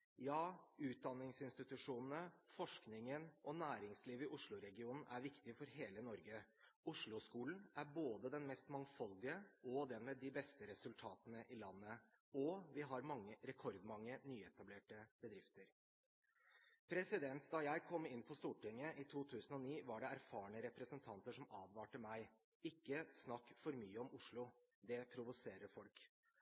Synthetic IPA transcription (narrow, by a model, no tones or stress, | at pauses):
jɑːʉːt̪̚d̪ɑnːɪŋsɪnst̪ɪt̪ʉʂuːnn̩əfɔʂknɪŋənʔɔnæːɾɪŋsliːʋɪʔʊʂɭʊɾɛɡɪuːnn̩ʔæɾʋɪkt̪ɪfɔɾɦeːlənɔɾɡəʊʂɭʊskuːln̩æɾboːd̪əd̪ɛnmɛst̪mɑŋfɑld̪ɪəɔd̪ɛnmɛd̪ɪbɛst̪əɾɛsʉlt̪ʰɑːt̪ənəʔɪlɑnːəɔʋɪɦɑɾmɑŋːəɾɛkʰɔɾd̪mɑŋːənyːɛt̪ɑbleːʈəbəd̪ɾɪft̪əɾ | pʰɾɛsɪd̪ɛnt̪d̪ɑjæɪkʰɔmːɪnːpʰɔst̪uːʈɪŋːəʔɪt̪ʰuːt̪ʰʉːsən̩ɔniːʋɑɖɛæɾfɑːɳəɾɛpɾəsənt̪ʰɑnt̪əʂɔmɑːʋʋɑːʈəmæɪ | ɪkːəsnɑkːfɔɾmyːəɔmʊʂɭʊd̪ɛpʰɾʊʋʊseːɾəɾfɔlk